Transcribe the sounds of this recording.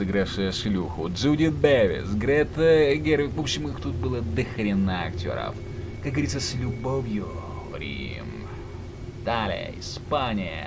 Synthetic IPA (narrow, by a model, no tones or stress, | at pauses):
ɨɡɾafʂɨjəʂlʲuxʊd̪zudʲɪd̪̚bevʲɪ̰sɡɾʲɛt̪əɡʲeɾvʲɪvopɕːɪmɨxt̪ut̪̚bɨlˠəd̪ɨxɾʲɪnːəɐktʲo̞̰ɾə̰f | kak̚ɡəvɐɾʲit̪səsʲlʲʊbovʲjʊ | ɾʲḭ | m | d̪̥alʲɪ̰jə̰ɪspanʲɪjə̰